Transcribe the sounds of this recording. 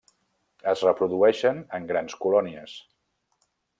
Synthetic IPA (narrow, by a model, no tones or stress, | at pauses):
əzrəpɾuðuɛʃənəŋɡɾanskulɔniəs